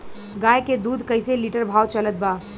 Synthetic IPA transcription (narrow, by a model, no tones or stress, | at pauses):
ɡaːjked̪uːd̪ʱkɐɪseliːʈəɾbʱaːwt͡ʃɐlət̪̚baː